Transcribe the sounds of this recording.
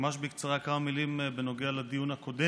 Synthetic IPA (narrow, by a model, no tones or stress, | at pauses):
maʃbikt͡saʁakamamilimbeno̞ɡealad̪ijunhako̞d̪e